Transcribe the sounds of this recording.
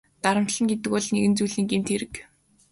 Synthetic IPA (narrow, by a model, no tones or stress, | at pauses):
t̪aɾə̆m̥t̪ɬə̆ŋɡet̪ɘ̆kpɔɮneɣɘ̆nt͡sujɮiːŋɡemt̪ʰeɾɘ̆k